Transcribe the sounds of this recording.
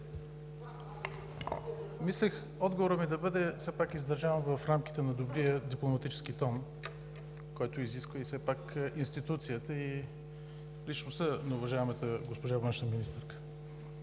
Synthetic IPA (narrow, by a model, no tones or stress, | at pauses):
mislɛx | ɔd̪ɡovoɾəmid̪ɐbɤd̪ɛsɛpakizd̪ɐɾʒɛnvəfɾamk̟ʲi̥t̪ɛnɐd̪obɾijəd̪iplˠomɐt̪it͡ʃɛ̥skit̪ɔn | kɔjt̪oiziskvəisɛpakinst̪it̪ut̪sijət̪əi | lit͡ʃnost̪ənɐʊvɐʒaɛmət̪əɡospoʒavənʃnəminist̪ɛɾkə̥